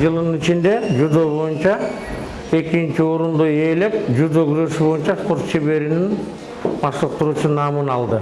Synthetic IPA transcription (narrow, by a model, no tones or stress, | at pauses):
d͡ʒɯlˠnit͡ʃind̪e̞d͡ʒud̪oβo̞junt͡ʃɑ | e̞kint͡ʃioɾund̪oe̞ːle̞kd͡ʒud̪oɡyɾø̞ʃybo̞junt͡ʃɑspo̞ɾt̪t͡ʃʰeβe̞ɾinin | bɑʃlˠəq̚t̪uɾuːt͡ʃunɑːmɯnɑlˠd̪ɯ